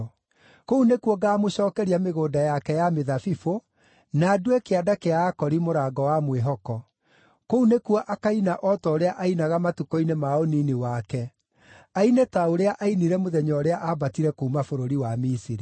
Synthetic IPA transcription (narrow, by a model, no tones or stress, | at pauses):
kounekuɔɡaːmoɕɔːkɛɾiameɣoːdajakɛjameðafifo | naːduekeadakeaːkɔɾimoɾaːɡɔwamweɦɔkɔ | kounekwɔʔakainaʔɔtɔoɾeaʔainaɣamatukɔinemaɔninewakɛ | ainetaoɾeaʔainiɾɛmoðɛɲɔɾeaʔabatiɾɛkuumafoɾoɾiwamisiɾi